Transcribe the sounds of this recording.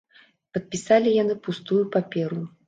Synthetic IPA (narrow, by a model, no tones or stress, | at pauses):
pɐt̪̚pʲisalʲijan̪ɨpust̪ujupapʲɛɾu